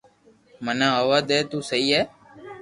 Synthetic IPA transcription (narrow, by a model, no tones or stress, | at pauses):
mənãːɦəʋaːd̪eːt̪uːsəiːɦɛː